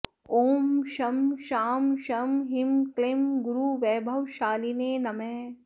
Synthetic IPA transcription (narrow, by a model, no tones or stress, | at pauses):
oːmʃɐmʃaːmʃɐmɦimklemɡuɾuʋɛːbʱɐʋʃaːlineːnɐmɛ̃ː